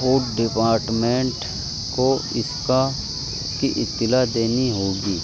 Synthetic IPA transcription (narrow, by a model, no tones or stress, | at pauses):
oːʈɖɪpaːɾʈmẽɳʈ | ko | ɪska | kiʔɪt̪ːɪlad̪eːniɦoːɡiː